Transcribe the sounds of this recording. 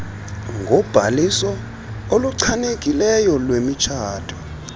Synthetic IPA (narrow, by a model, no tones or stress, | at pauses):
ŋʱɔb̥ʱalisɔ | oluǀʰaneɡ̥ʼʱilɛjɔlwemit͡ʃʰaːtʰʼɔ